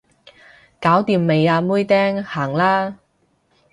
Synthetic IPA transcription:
kaː˨˥wt̪iː˧mːe˨˧jaː˧muː˥jt̪ɛː˥ŋhaː˨˩ŋlaː˥

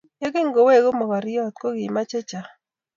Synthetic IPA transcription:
ja˦ɡɪ˦ŋɡo˨we˦˨ɡo˦mɔ˨ka˨ɾɪ˦jɔ˦˨t̪̚kɔ˦ɡɪ˨ma˦t͡ʃe˦t͡ʃa˨

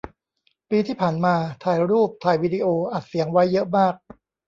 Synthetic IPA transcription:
piː˧t̪ʰiː˥˩pʰaː˨˩nmaː˧t̪ʰaː˧˩jɾuː˥˩p̚t̪ʰaː˧˩jwiː˦˥di˧ʔoː˧ʔa˨˩t̪̚si˨˩˦əŋwa˦˥jːɤ˦˥ʔmaː˥˩k̚

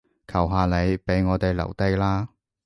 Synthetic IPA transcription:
kʰɐ˨˩wɦaː˨le˨˧jpe˨˥jŋɔː˨˧t̪e˨jlɐ̰˨˩wt̪e˨˧˥laː˥

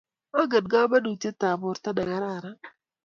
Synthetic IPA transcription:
a˦ɡə˨dɡa˦ba˦du˨t͡ʃe˦ta˨bʊ˨ɾta˦da˨ɡa˦ɾa˦˨ɾa˦

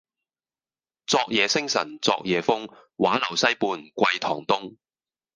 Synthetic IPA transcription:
t͡sɔː˧k̚jɛː˨˧sɪ˥ŋsɐ̰˨˩nt͡sɔ̰ː˧k̚jɛː˨˧fʊ˥ŋ | waː˨˥lɐ˨˩wsɐ˥jpuː˧nkʷɐ˧jt̪ʰɔː˨˩ŋt̪ʊ˥ŋ

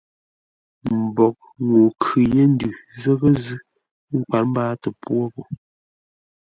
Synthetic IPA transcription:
m̩˨bɔ˨k̚ | ŋo˨kʰʉ˨je˦n̩˦dʉ˨zə˦ɣə˦zɨ˦ | ŋ̩˦˨k͡pwa˨ɾm̩˦baː˦tə˨pwo˦po˨

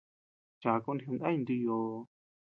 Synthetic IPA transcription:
t͡ʃa˨˧ku˧ni˧u˧nd̪a˦ĩ˧nd̪i˧jo˧

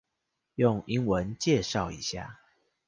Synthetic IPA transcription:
jʊ˥˨ŋi˦˥ŋwə˨˦nt͡ɕjɛ˥˨ʂɑ˥˨ʊḭ˨˦ɕja̰˥˩

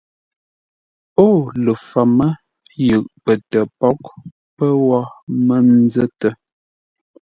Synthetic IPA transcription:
o˦˨lə˨fa˨mə˦ | jʉ˨ʔpə˨tə˨pɔ˦k̚ | pə˦wɔ˦mə˦n̩˦zə˦tə˨

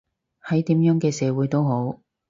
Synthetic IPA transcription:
hɐ˨˥jt̪iː˨˥mjœː˨˥ŋkɛː˧sɛː˨˧wuː˨˥jt̪o˥who˨˥w

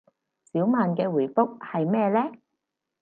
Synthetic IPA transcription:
siː˨˥wmaː˨nkɛː˧wu˨˩fʊ˥k̚hɐ˨jmɛː˥lɛː˥

